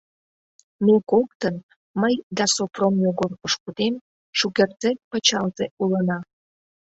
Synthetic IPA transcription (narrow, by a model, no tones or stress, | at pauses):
mekʷoktʰən | majd̪asopʰromjoɡorqʷʼəʂkʷud̪em | ʂuɡʲɐrd͡zepʰat͡ʃʰalzeuləna